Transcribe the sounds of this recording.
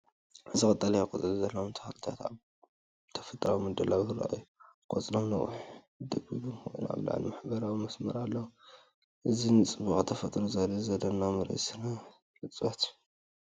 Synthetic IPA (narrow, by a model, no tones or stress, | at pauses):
ʔɨzikʼɨt̪ʼːɐlɐjakʼot̪ʼɐluzɐlːɐwomt̪ʰɐ̥xalɨt̪ʰat̪aβ | t̪ʰɐ̥fɐt̪ʼɾawimɨd̪ɐlaβhɨɾa̰ʔɨ̰jːukʼo̰t͡sʼlomnɐ̰wʊ̰ħ | ɨd̪ɐbibumxo̰jnua̰βla̰ʕ̰limaħbɐɾawimɐsmɐɾalːɐwu | ʔɨzinɨt͡sʼɨbuxʼt̪ʰɐfɐt̪ʼɾozadizɐd̪ɐnːamɨɾɐ̰sɨna | lɨt͡sʼβat̪ju̥